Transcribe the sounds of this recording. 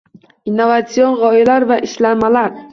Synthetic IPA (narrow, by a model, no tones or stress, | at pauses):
inːovat̪sio̞nʁɒɪlaɾvaʔɪʃlamalaɾ